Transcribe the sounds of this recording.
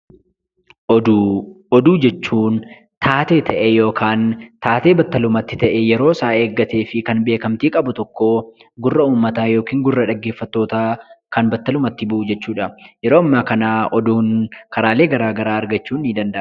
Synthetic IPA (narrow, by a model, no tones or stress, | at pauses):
ɔd̪uːd͡ʒɛt͡ʃːuːn | t̪ʰaːt̪e̞ːt̪ʰɐʔɛjo̞ːkʰaːnt̪aːt̪eːbɐt̪ːɐlʊmɐt̪ːɪt̪ɐʔɛjɛɾo̞ːsaːe̞ːɡːɐt̪e̞ːfɪkɐnbe̞ːkɐmt̪iːkʼɐbʊt̪ɔkːo | ɡʊrːɐuːmːɐt̪aːjo̞ːkiːŋɡʊrːɐᶑɐɡːe̞ːfːɐt̪ːo̞ːt̪aːkɐnbɐt̪ːɐlʊmɐt̪ːɪbɐʔud͡ʒɛt͡ʃːuːᶑɐjɛɾoːɐmːaːkɐnaːɔd̪uːnkɐɾaːle̞ːɡɐɾaːɡɐɾaːɐɾɡɐt͡ʃːuːnːɪd̪ɐnd̪ɐʔ